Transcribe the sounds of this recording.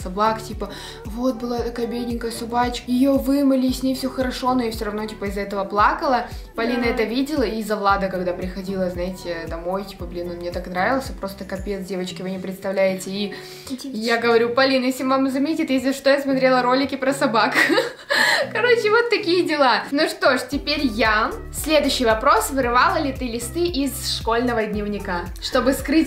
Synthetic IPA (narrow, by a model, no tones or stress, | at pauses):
sɐbaktʲipə | vo̞t̪̚bɨlˠat̪ɐkajəbʲedʲnʲɪŋkəjəsɐbat͡ɕkjɪjovɨməlʲɪːsʲnʲejfsʲoxəɾɐʂo̞nojafsʲoɾɐvno̞tʲipəɪzɛt̪əvəplˠakəlˠə | pɐlʲinəɛt̪əvʲidʲɪlˠəizɐvlˠad̪əkɐɡd̪apɾʲɪxɐdʲilˠəznajɪtʲɪd̪ɐmo̞jtʲi̥pəblʲinonmnʲe̞t̪aknɾavʲɪlˠsʲəpɾo̞st̪əkɐpʲet̪sdʲe̞vət͡ɕkʲɪvɨnʲɪpɾʲɪt̪st̪ɐvlʲæjɪtʲɪː | jaɡəvɐɾʲupɐlʲinjesʲɪvamzɐmʲetʲɪt̪jes̬ʲlʲɪʂt̪ojasmɐt̪ɾʲe̞lˠəɾo̞lʲɪkʲɪpɾəsɐbak | kɐɾo̞t͡ɕɪvo̞t̪ːɐkʲijədʲɪlˠanuʂt̪o̞ʂtʲɪpʲeɾʲja | sʲlʲed̪ʊɕːɪjvɐpɾo̞svɨɾɨvalˠəlʲɪt̪ɨlʲɪst̪ɨʔɪzʂko̞lʲnəvədʲnʲɪvnʲɪka | ʂt̪o̞bɨskɾɨtʲ